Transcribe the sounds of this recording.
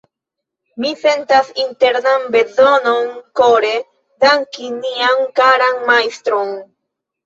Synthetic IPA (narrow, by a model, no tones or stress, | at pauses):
mise̞ntasinte̞ɾnanbe̞zo̞no̞nko̞ɾe̞ | daŋkiniaŋkaɾanmajstɾo̞n